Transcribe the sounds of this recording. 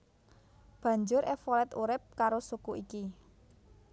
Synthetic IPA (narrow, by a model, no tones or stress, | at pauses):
b̥ä̤ɲd͡ʒʊɾʔɛfɔlɛt̪uɾɪp̚kaɾosukuʔiki